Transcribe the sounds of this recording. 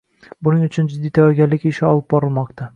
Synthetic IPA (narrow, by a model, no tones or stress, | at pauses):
bʊnɪŋʊ̆t͡ʃʰʊnd͡ʒɪd̪it̪ʰæwæɡʲælːɪkʲɪʃɪɒlˠɯp̚bɒɾɤlˠmɒqt̪ɑ